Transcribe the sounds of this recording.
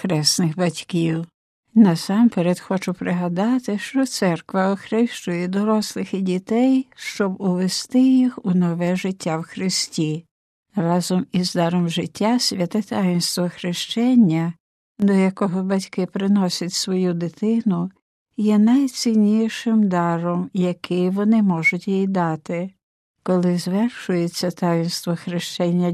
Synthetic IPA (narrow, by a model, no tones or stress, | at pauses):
xɾɛsnɪxbɐtʲkiw | nɐsɑmpeɾed̪xɔt͡ʃʊpɾɪɦɐd̪ɑt̪ɪʃt͡ʃɔt̪sɛrkʋɐɔxɾɪʃt͡ʃʊjɛd̪ɔɾɔslˠɪxidʲit̪ɛjʃt͡ʃɔbʊʋest̪ɪjixunɔʋɛʒɪtʲːawxɾɪsʲtʲi | rɑzɔmizd̪ɑɾɔmʒɪtʲːasʲʋʲɐt̪ɪt̪ɑjɪnst̪ʋɔxɾɪʃt͡ʃɛnʲːɐ | d̪ɔjɐkɔɦɔbɐtʲkɪpɾɪnɔsʲɐtʲsʋɔjud̪ɪt̪ɪnʊ | jɛnɐjt͡sʲinʲijʃɪmd̪ɑɾɔmjɐkɪjʋɔnɪmɔʒʊtʲjijd̪ɑt̪ɪ | kɔlˠɪzʋɛrʃʊjet͡sʲːɐt̪ɑjɪnst̪ʋɔxɾɪʃt͡ʃɛnʲːɐ